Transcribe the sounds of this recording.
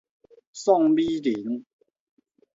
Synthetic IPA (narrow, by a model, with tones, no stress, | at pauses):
sɔ˥˨ŋbiː˦li˨˩˦ŋ